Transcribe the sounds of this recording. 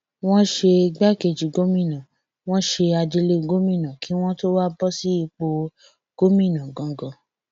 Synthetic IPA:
w̃ɔ̃˦ʃe˧ɡ͡ba˦˨ke˨d͡ʒi˨ɡo˦mĩ˦˨nã˨ | w̃ɔ̃˦ʃe˧a˧d͡ʒi˧le˦ɡo˦mĩ˦˨nã˨kʰi˨˦w̃ɔ̃˦to˦wa˦bɔ˦si˦i˧k͡po˧ | ɡ̥o˦mĩ˦˨nã˨ɡɔ̃˨ɡɔ̃˧˦˨

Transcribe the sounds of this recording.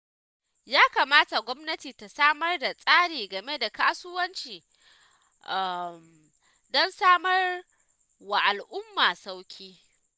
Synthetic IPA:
jaː˦kaː˨maː˦ta˨ɡʷɔ˦mnɐ˦tiː˨ta˨saː˦mɐ˦rda˨sʼaː˦ɽiː˨ɡɐ˨me˦da˨kaː˦sʊ˦wɐ˦nt͡ʃiː˨ | ʔa˨m | dɔ˦nsaː˦mɐ˦r | wa˨ʔa˨lʔʊ˦mːaː˨sa˦wkʲʰiː˦

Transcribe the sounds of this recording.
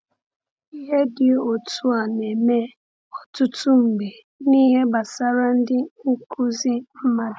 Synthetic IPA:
i˦ɦe˦dɪ˨o˨tu˦a˨ne˨me˦ | ɔ˨tʊ˦tʊ˦m̩˨be˨ | ni˦ɦe˦ba˨sa˦ɾa˦n̩˦dɪ˦u˦kʰu˦zi˦m̩˦ma˦d

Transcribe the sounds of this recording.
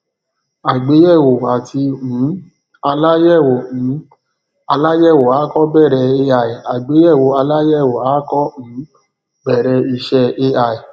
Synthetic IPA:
a˨ɡ͡be˨˦jɛ˦˨wo˨a˨ti˧m̩̃˨˦ | a˧la˦jɛ˦˨wo˨n̩˨˦ | a˧la˦jɛ˦˨wo˨a˨˦kɔ˦bɛ˦˨ɾɛ˧e˧a˧˨i˨a˨ɡ͡be˨˦jɛ˦˨wo˨a˧la˦jɛ˦˨wo˨a˨˦kɔ˦m̩˨˦ | bɛ˦˨ɾɛ˧i˧ʃɛ˧e˧a˧˨i˨

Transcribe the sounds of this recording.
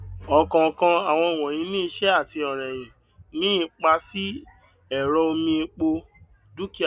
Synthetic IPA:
ɔ˨kã˧˨kã˧a˨w̃ɔ̃˧˨w̃ɔ̃˨j̃ĩ˨˧˦nĩ˦i˧ʃɛ˦a˦˨ti˧ɔ˨ɾ̃ɛ̃˨j̃ĩ˨ | nĩ˦i˧k͡pa˧si˦ | ɛ˨ɾɔ˧o˧mĩ˧i˧k͡po˧ | du˦ki˦˨

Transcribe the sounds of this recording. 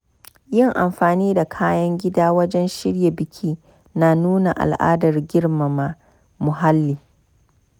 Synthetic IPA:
jɪ˦˨ŋʔa˨mɸaː˨niː˦da˨kʰaː˦jɐ˦ŋɡʲɪ˦daː˦wɐ˦d͡ʒɛ˦nʃɪ˦ɽje˨bɪ˨kʲʰiː˦ | naː˨nuː˦na˨ʔa̰˨lʔa̰ː˦dɐ˨rɡʲɪ˦ɽma˨ma˦ | mʊ˨ɦa˦lːiː˨

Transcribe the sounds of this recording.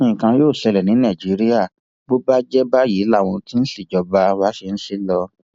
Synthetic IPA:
ĩ˧˨kã˧joː˦˨sɛ˧lɛ˨nĩ˨˦nã˦˨d͡ʒi˨˦ɾi˦a˦˨ | bo˦ba˦d͡ʒɛ˦ba˦jiː˨˦la˦˨w̃ɔ̃˧ti˦n̩˦si˦˨d͡ʒɔ˧ba˧wa˦ʃe˧n̩˦ʃe˦lɔ˧

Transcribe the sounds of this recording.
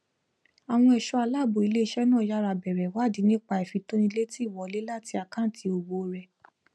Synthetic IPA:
a˨w̃ɔ̃˧ɛ˨ʃɔ˧a˧la˦˨bo˨i˨˧le˦i˧˦ʃɛ˦nãː˦˨ja˦ɾa˧bɛ˨ɾɛ˨wa˦˨di˨˦nĩ˦k͡pa˧i˨fi˨˧tõ˦nĩ˧˦le˦ti˦˨wɔ˨˦le˦la˦˨ti˧a˨kã˦˨tʰi˧˦o˧ɡ͡bo˧ɾɛ˨

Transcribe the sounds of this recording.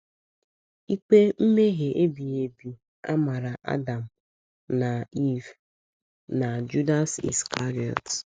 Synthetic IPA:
i˦k͡pe˦m̩˦me˦ɣe˨ʔe˦bi˨e˨bi˨ | a̰˦ma˨ɾa˨ʔa̰˦da˨m̩˨ | na˨i˦v | na˨d͡ʒu˦da˦sḭ˨skʰa˦ɾi˨ɔ̰˨t

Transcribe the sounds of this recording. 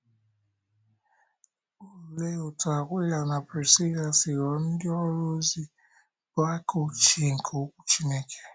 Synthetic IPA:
u˦˨le˦o˨ta˨kʷe˦la˨na˨pɾe˨si˦la˨si˨ɾɔ˨n̩˦dɪ˦ɔ˦ɾo˦zi˦ | ba˦ko˦t͡ʃi˦˨ŋ̩˨kʰo˨˦kʷu̥˦t͡ʃi˦ne˦kʰe̥˦

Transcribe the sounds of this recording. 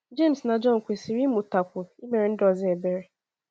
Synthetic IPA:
d͡ʒe˦˨m̩sna˨d͡ʒɔ˦ŋ̩˨kʷe˨si˨ɾi˦mʊ˨ta˨kʷʊ˨i˦me˨ɾe˨n̩˦dɔ˨zɪ˦e˨be˦ɾe˨˦

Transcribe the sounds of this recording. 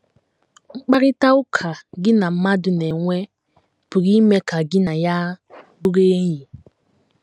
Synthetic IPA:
ŋ͡m̩˦k͡pa˦ɾi˦ta˦u˦kʰa˨ɡi˦na˨m̩˦ma˦du˨nɛ˨ŋʷɛ˦ | pu˨ɣi˦mɛ˦ka˨ɡi˦na˨ja˦bu˦ɾe˦ji˨

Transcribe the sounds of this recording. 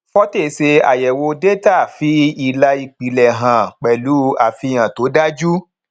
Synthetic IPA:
fɔ˦te˦˨˦se˧a̰˨jɛ˨wo˧de˦ta˦˨fi˨˦i˧la˧i˧k͡pi˨lɛ˨ɦã˨k͡pɛ˨lu˨˦a˨fi˧j̃ã˨to˨˦da˦d͡ʒu˦

